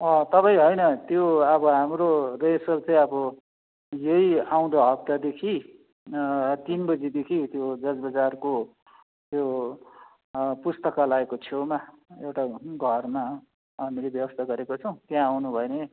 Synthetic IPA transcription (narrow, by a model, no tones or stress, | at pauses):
ʌt̪ʌpaj̃ɦʌjnʌt̪joʌbʌɦamroresʌlt͡sʌj̃ʌbʌ | jʌjaw̃d̪aɦʌp̚t̪ad̪ekʰi | t̪inbʌd͡zid̪ekʰit̪jod͡zʌd͡zbʌd͡zarko | t̪jo | pust̪ʌkalaekot͡sʰowmaewʈaɡʱʌrma | ɦamilebjʌbʌst̪ʰaɡʌɾekot͡sʰʌw̃t̪jãːwnubʱʌjne